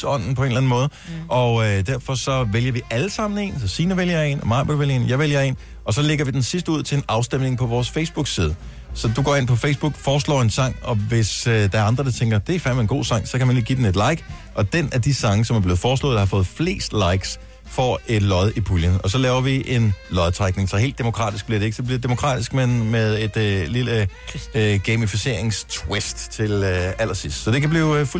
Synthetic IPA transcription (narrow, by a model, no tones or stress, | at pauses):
ɒ̽n̰n̩pʰɒ̽e̝nlæn̩mɔ̽ːð̞̩ˠʔɒ̽ød̥æɐfɒ̽sɒ̽ʋeljɐʋiʔæləsɑ̈m̰n̩e̝̰nsɒ̽siːnɐʋeljɐe̝̰nɒmɑ̈ɪb̥æʋeljɐḛːnjɑɪʋeljɐe̝̰ːn | ɒ̽sɒ̽leɡ̥ɐʋid̥ensis̬d̥əuð̞̰ˠt͡sʰe̝lenɑ̈ʊsd̥emne̝ŋpʰɒ̽ʋɒːsfeɪsb̥uɡ̥siːð̞ˠə | sɒ̽d̥uɡ̥ɒ̰ːe̝n̰pʰɒ̽feɪsb̥uɡ̥fɒːsl̰ːe̝nsɑ̈ŋ̰ɒ̽ʋe̝sd̥ɑ̈æɐɑ̈nd̥ʁɐd̥ɑ̈t͡sʰeŋɡ̥ɐd̥e̝æfæɐmeenɡ̥o̝̰ːsɑ̈ŋ̰sɒ̽kʰæmænɡ̥iːd̥ene̝d̥lɑ̈ɪ̰ɡ̥ʔɒ̽d̥enʔæd̥isɑ̈ŋəsɒ̽mæɐb̥le̝ːð̩ˠfɒːslɔ̰ð̩ˠɑhɑ̈fɔ̽ːð̩ˠfle̝̰ːsd̥lɑ̈ɪ̰ɡ̥s | fɒe̝d̥lɒ̽ðˠipʰuljənɒ̽sɒ̽lɛːʊɐʋiʔe̝nlɒ̽ðˠt͡sʰʁaɡ̥̚ne̝ŋsɒe̝̰ːld̥emo̝kʰʁɑ̰̈ːd̥isɡ̥̚b̥iɐ̰ɾeeɡ̥sɒb̥liɐ̥e̥d̥e̝mo̝kʰʁɑ̰̈ːd̥isɡ̥menmeðˠe̝d̥lilə | ɡ̥emifise̝ɐ̰e̝ŋst͡sʰwesd̥t͡sʰe̝læl̰ɐsisd̥sɒ̽d̥e̝kʰæb̥lḭːfu